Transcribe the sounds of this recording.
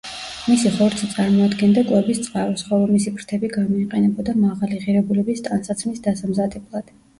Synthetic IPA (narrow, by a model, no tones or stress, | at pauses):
misiχɔɾt̪sʰit̪sʼaɾmɔad̪ɡɛnd̪akʼwɛbist̪sʼqʼaɾɔsχɔlˠɔmisipʰɾt̪ʰɛbiɡamɔiqʼɛnɛbɔd̪amaʁaliʁiɾɛbulɛbist̪ʼansat̪sʰmisd̪asamzad̪ɛblˠad̪̥